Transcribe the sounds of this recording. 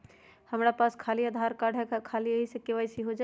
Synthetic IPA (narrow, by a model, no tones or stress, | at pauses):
həmɾapaskʰaliad̪ʱaɾkaɽ̤ʱɛkkʰaliəɦisə̃keʋajsiɦod͡ʒa